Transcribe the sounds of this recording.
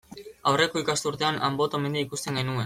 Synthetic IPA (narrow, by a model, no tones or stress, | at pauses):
awre̞ko̞ikast̪uɾt̪e̞ana̰mbo̞t̪ome̞nd̪iaikust̪e̞ŋɡenue̞n